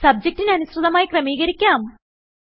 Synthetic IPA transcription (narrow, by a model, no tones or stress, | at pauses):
sɐb̚d͡ʑek̚ʈːinɐnusrɨðɐmaːjikrɐmiːɣɐɾikʲːaːm